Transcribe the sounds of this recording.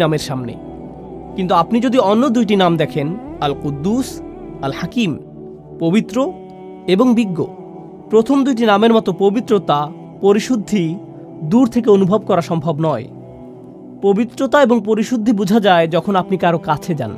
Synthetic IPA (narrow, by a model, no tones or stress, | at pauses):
ameɾʃamnḛ | kint̪̬uapnid͡ʑod̪iɔnːod̪ujʈ̬inamd̪ɛkʰenalqud̪ːus | alhakim | pobit̪ːɾo | eboŋbiɡːo | pɾot̪ʰomd̪ujʈ̬inameɾmɔt̪opobit̪ːɾot̪a | poɾiʃud̪ʱːi | d̪uɾt̪ʰek̬eonubʱob̚kɔɾaʃɔmbʱobnɔe | pobit̪ːɾot̪aeboŋpoɾiʃud̪ʱːibud͡ʑʱad͡ʑaed͡ʑɔkʰonapnikaɾokat͡ɕʰed͡ʑa̰n